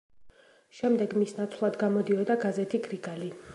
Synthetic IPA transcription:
ʃɛmd̪ɛɡmisnat̪sʰvlˠad̪ɡamɔd̪iɔd̪aɡazɛt̪ʰiɡɾiɡali

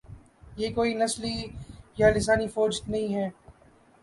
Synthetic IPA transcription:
jeːkoːinɐslijalɪs̬aːnifoːd͡ʒt̪nɐɦĩɦɛː

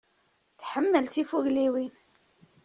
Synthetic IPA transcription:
θħəmːəlθifuʝliwin

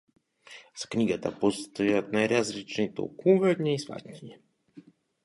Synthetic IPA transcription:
z̥ḁkɲʲiɡat̪a̰pɔst̪ojat̪̚najɾazlit͡ʃnit̪o̰lˠkuvɛdɲʲɛisva̰t̪ʲɲʲiɲɛ

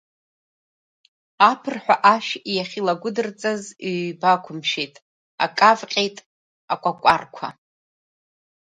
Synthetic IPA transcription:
apʰɨrħᶣʷaʔaʃijaχʲilaɡʷʊdɨrt͡sʼazibakʷʰʊmʃejtʼ | a̰kʼavqʲʼe̞jtʼ | akʷʼakʷʼarkʷʰa̰

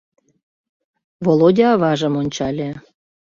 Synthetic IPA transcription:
volod̪ʲɑβɑʒə̆monʲt͡ɕɑlʲĕ

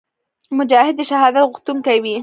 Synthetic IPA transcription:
mʊd͡ʒaːhɪd̪ʃaɦaːd̪alɣʊt̪ʊmkawiː

